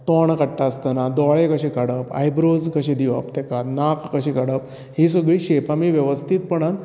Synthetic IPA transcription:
t̪ɔɳkəʈːaəst̪ənad̪ɔɭekəɕekaɽəpa̰jbɾod͡zkəɕẽd̪iʋəpt̪ɛkanakkəɕikaɽəp̚ | his̬əɡɭiːɕepamiʋjeʋəst̪ʰit̪̚pəɳan

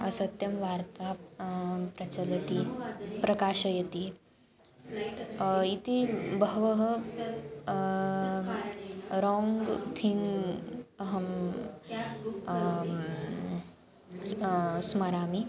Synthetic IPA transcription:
ɐsɐt̪jɐmʋaɾt̪a | pɾɐt͡ɕɐlɐt̪ipɾɐkaːʃɐjet̪i | it̪ibəɦʋəɦə | ɾɔŋɡt̪ʰiŋ | ɐɦɐm | smɐɾaːmi

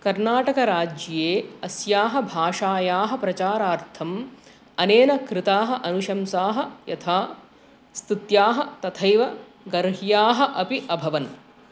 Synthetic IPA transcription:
kɐɾnaːʈɐkɐɾaːd͡ʒjeːɐsjaːɦɐbʱaːʂaːjaːɦɐ̆pɾɐt͡ʃaːɾaːɾt̪ʰɐm | ɐneːnɐkɾɪt̪aːɦɐʔɐnuʃɐmsaːɦɐ̆jɐ̰t̪ʰaː | st̪it̪jaːɦɐ̆t̪ɐt̪ʰɐjʋɐ | ɡɐɾɦjaːɦɐ̆ʔɐpiʔɐbʱɐʋɐn

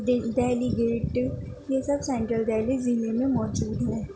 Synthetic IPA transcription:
d̪ɛːliɡeːʈ | jesɐbsɛ̃ɳʈɾəld̪ɛːlizinemẽmɔːt̪d͡ʒuːd̪ʱɛ̃

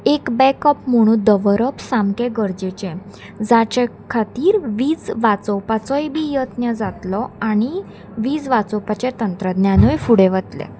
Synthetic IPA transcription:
ekbɛkɔpməɽ̃ũːd̪əʋɾəpsamkẽɡəɾd͡ʑet͡ɕẽ | d͡zat͡ɕe | kʰat̪iːɾʋiːd͡zʋat͡sɔwpat͡sɔjbʱiːjət̪njəd͡zat̪lɔaɽ̃i | ʋiːd͡zʋat͡sɔwpat͡ɕet̪ənt̪ɾəd̪njanəjfuɽeʋət̪lḛ

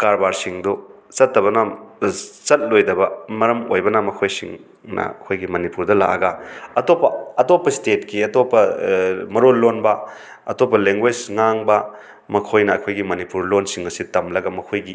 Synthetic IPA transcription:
kaɾbaɾsiŋdɔ | t͡ʃɐtːɐβɐna | t͡ʃɐt̚lojdɐbɐmɐɾɐmojbɐnamɐkʰojsḭŋ | nɐ̰ɐkʰojɡimɐnipuɾdɐla̰ʔɐ̰ɡɐɐtopːɐɐtopːɐstet̚kiɐtopːɐmɐɾolːonbɐ | ɐtopːɐleŋɡwed͡ʒŋaŋbɐ | mɐkʰojnɐːkʰojɡimɐnipuɾlonsiŋɐsitɐmlɐɡɐmɐkʰojɡi

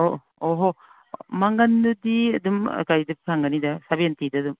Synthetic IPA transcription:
o | oɦo | maŋɡɐndudiɐdum̰kajdɐpkʰaŋɡɐnidɐsabentidɐːdum

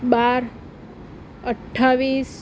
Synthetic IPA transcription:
baɾ | əʈʰːaʋis

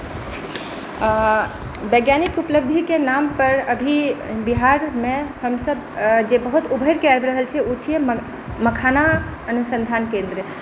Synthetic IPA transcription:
bəjɡjanikupələb̚d̪ʱikenampəɾəbʱibiɦaɾmehəmsəb | d͡ʒebəɦut̪ubʱəjɾkeaɪbɾəɦəlt͡ʃʰɛut͡ʃʰiɛm | məkʰana | ənusənd̪ʱankẽnd̪ɾə

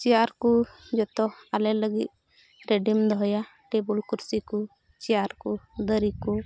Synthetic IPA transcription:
t͡ʃijaɾkud͡ʒɔt̪ɔalɛləɡḭt̪̚ | ɾeɖimd̪ɔɦɔja | ʈebulkuɾsiku | t͡ʃijaɾkud̪əɾiku

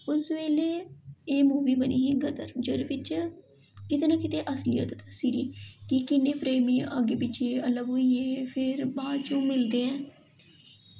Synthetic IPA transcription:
ʊsʋeːleːeːmuːʋiːbənḭːɦiːɡəd̪ə̰ɾd͡ʒoːɾebɪt͡ʃ | kɪt̪eːnaːkɪt̪eːʔəslɪjə̰t̪t̪siːɾiːkɪkɪnːeːpɾeːmĩːaɡeːpɪt͡ʃʰeːələboːieːpʰɪɾbãːt͡ʃõːmɪld̪eːɛ̃ː

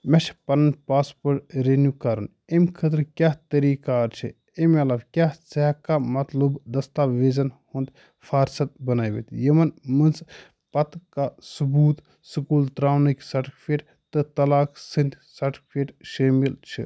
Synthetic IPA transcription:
mɐʃʰpɐnɐnpaːspɐɾʈɾenjukɐɾɐn | emkʰət̪ɾkʲaːt̪ɐɾiːkaɾt͡ʃʰḭ | emɐlɐbkʲjaːseɦkamɐt̪lubd̪ɐst̪aːʋeːzɐnhũnd̪ | fʰaːɾsɐt̪̚bɐnaːjʋḛt̪ʲjɐmɐnmɨnz | pɐt̪kasubuːt̪ | sɨkuːlt̪ɾaːwniksɐʈʰkfʰeːʈ | t̪ɨt̪ɐlaːksɨnd̪ʲsɐʈʰkfʰeːʈʃɐːmilt͡ʃʰḭ

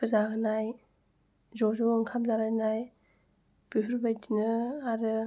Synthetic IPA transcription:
ɯzaɡɯnaj | zɔzɔɯŋkʰamzaɾanaj | b̥ipʰɯɾbajtinɯaɾɯ

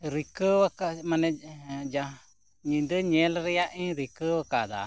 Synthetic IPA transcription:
ɾikəwəkamanɛd͡ʒa | ɲĩd̪əɲɛlɾɛjaʔĩɾikəwəkad̪a̰

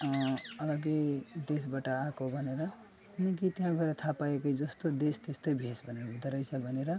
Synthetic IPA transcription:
ʌʌlʌɡed̪esbaʈʌakobʱʌneɾʌ | kinʌk̬it̪jɦãɡʱʌeɾʌt̪ʰapaekʌid͡zʌst̪od̪est̪est̪ʌjbʱesbʱʌneɾʌbʱid̪ʌɾʌjsʰʌbʱʌneɾʌ

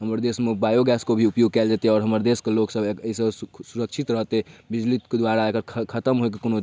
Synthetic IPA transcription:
ɦəməɾd̪esmebajoɡɛskobʱiupjoɡ̚kɛld͡ʒat̪eɦɔːɾɦəməɾd̪eskeloksəbəisəbsuɾəkt͡ʃʰit̪ɾəɦt̪ebid͡ʒlit̪kd̪waɾaekəɾʰkʰət̪əmɦoekekono

